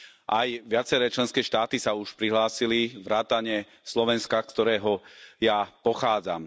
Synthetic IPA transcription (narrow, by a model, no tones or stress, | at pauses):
ʔajʋɪat͡sɛɾɛːt͡ʃlɛnskɛːʃt̪aːt̪isauʃpɾiɦlaːsiliʋɾaːt̪aɲɛ | slɔʋɛnskakt̪ɔɾɛːɦɔjapɔxaːd͡za̰m